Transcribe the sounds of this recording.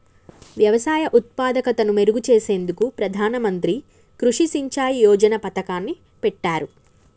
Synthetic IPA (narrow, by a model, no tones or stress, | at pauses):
ʋjɐʋɐsaːjɐʔut̪̚paːd̪ɐkɐt̪ɐnume̞ɾuɡut͡ʃeːse̞ːnd̪ukupɾɐd̪ʱaːnɐmɐnt̪ɾi | kɾuʂisiɲt͡ʃaːjijɔːd͡ʒɐnɐpɐt̪ɐkaːnːi | pɛʈːaːɾu